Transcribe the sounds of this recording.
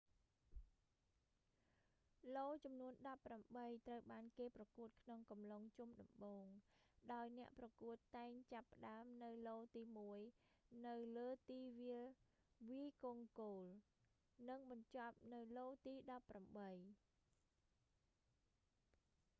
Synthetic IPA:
loːt͡ɕɑmnuənɗɑpːramɓəjt̪rəwɓaːnkeːprɑkuət̪̚kʰnoŋkɑmloŋt͡ɕumɗɑmɓoːŋɗaɔjnɛ̆əʔprɑkuət̪ːaɛŋt͡ɕapːə̆ɗaəmnɨwloːt̪iːmuəjnɨwləːt̪iːʋiəl | ʋiːkoŋkoːl | nɨŋɓɑɲt͡ɕɑp̚nɨwloːt̪iːɗɑpːramɓəj

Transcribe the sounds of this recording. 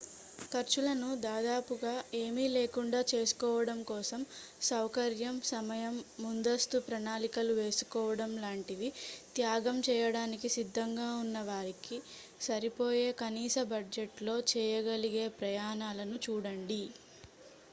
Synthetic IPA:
kɐɾt͡ʃulɐnud̪aːd̪aːpuɡaːe̞ːmile̞ːkuɳɖaːt͡ʃe̞ːsu̥kɔːʋɐɽɐmkɔːsɐm | sɐwkɐɾjɐmsɐmɐjɐmːund̪ɐst̪upɾɐnaːlikɐluʋe̞ːsu̥kɔːʋɐɽɐmlaːɳʈid̪it̪jaːɡɐmt͡ʃɛːjɐɽaːnikisid̪ʱːɐŋɡaːunːɐʋaːɾiki | sɐɾipo̞ːje̞ːkɐniːsɐbɐɖd͡ʒeʈlo̞ːt͡ʃɛːjɐɡɐliɡe̞ːpɾɐjaːnaːlɐnut͡ʃuːɽɐɳɖi

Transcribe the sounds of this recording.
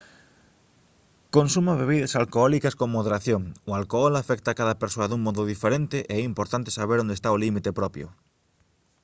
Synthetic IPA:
konsumaβeβ̞iðɐsalkoɔlikɐskoŋmoðeɾaθjoŋʊalkoɔlafɛkt̪akaðɐpeɾsoɐðuŋmɔðʊðifeɾent̪ɪʔeɛimpoɾt̪ant̪e̥saβeɾõnd̪est̪aolimit̪epɾɔpjʊ̰

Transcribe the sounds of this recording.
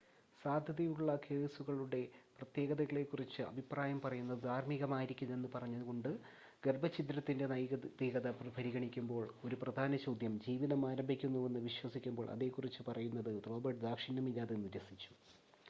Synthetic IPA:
saːd̪ʱjɐðɐjuɭːɐkʰe̞ːsuɣɐɭuɽe̞prɐt̪je̞ːɣɐðɐɣɐɭe̞ːkːurit͡ɕːɨɐ̰bʱipraːjɐmpɐrɐjunːɐðɨd̪ʱaːɾmiɣɐmaːjiɾikʲːunːɐe̞nːɨpɐrɐɲːɐðuɣo̞ɳɖɨ | ɡerbʱɐt͡ɕit̪ːɾɐt̪ːinde̞nɐjt̪ːiɣɐðɐppɐɾiɣɐɳikʲːumbo̞ːɭo̞ɾuprɐd̪ʱaːnɐt͡ɕowd̪ʱjɐmd͡ʑiːʋiðɐmaːɾɐmbʱikʲːunːuʋe̞nːɨʋiɕwɐsikʲːumbo̞ːɭʔɐ̰ðe̞ːkːurit͡ɕːɨpɐrɐjunːɐðɨro̞ːbɐrʈd̪aːkʂinɐmilːaːðe̞nːuɾesit͡ɕːu̥

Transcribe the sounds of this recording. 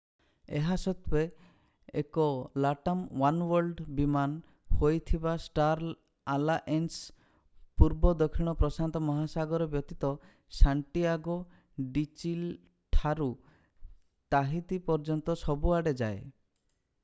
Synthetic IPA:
ḛɦasɔt̪we | ḛkɔlaʈamwanwɔɾlɖbiman | hojt̪ʰibasʈaɾ | alaʔens | puɾbɔd̪ɔkʰːiɽ̃ɔpɾɔsant̪ɔmɔɦasaɡɔɾɔbjɔt̪it̪ɔ | saɳʈiaɡɔ | ɖit͡ʃil | ʈʰaɾu | t̪aɦit̪ipɔɾd͡ʒɔnt̪ɔsɔbuaɽed͡ʒae

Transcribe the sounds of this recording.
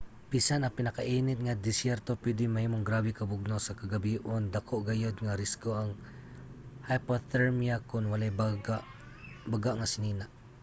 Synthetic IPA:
pisanapɪnakaʔiːnɪt̪̚ŋad̪ɪsjɛɾt̪opwɛd̪ɪŋmahiːmoŋɡɾabɪkɐbʊɡ̚nosakaɡabiːʔond̪akʰoʔɡajod̪̚ŋaɾɪskoaŋ | hajpot̪ɛɹmiakʊnwalajbaɡaʔ | baɡaʔŋasɪniːnaʔ

